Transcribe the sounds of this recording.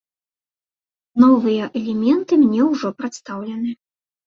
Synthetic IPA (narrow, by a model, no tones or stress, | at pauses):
nɔvɨjɐʔɛlʲɛmʲɛnt̪ɨmnʲɛwʐɔpɾat̪st̪awlʲɐnɨ